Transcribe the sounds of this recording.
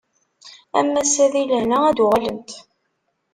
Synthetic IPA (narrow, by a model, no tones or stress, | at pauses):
æ̰mːæsæðiləhnææd̪ʁæləmt̪